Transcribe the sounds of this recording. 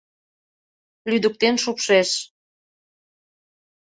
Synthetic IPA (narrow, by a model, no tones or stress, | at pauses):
lyd̪ə̆k̚t̪enʃupʃeʃ